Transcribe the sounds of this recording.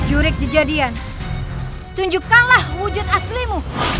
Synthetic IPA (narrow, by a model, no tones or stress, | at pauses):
d͡ʒuɾɪk̚did͡ʒadian | t̪uɲd͡ʒukanlahmud͡ʒʊt̪̚aslimu